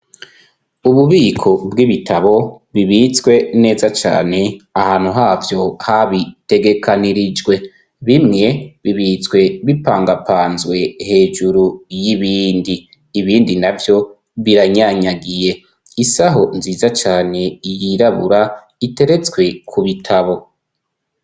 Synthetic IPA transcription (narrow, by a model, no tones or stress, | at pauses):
uβuβiːkʰo̞bɡiβitʰaβo̞βiβit͡sɡwe̞ne̞ːzat͡ʃa̰ːne̞ahaːnhuɦaːvjo̞haβite̞ɡe̞kʰaniɾid͡ʒɡwe̞ | βimŋe̞βiβit͡sɡwe̞βipaːŋɡapʰaːnzwe̞he̞ːd͡ʒuɾujiβiːndiː | βiːndinavjo̞ | βiɾaɲaɲaɡije̞ | isaɦo̞nziːzat͡ʃaːne̞ijiɾaβuɾa | ite̞ɾe̞t͡sɡwe̞kʰuβitʰaβo̞